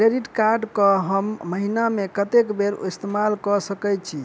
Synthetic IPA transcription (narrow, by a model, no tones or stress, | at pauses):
kɾeɖiʈkaɾɖkəɦəmːəɦinamekət̪ekbeɾist̪emalkɔsəkɛjt͡ʃʰi